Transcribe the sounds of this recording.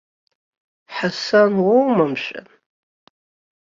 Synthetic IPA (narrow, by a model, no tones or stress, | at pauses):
ħasanwowmamʃʷʼa̰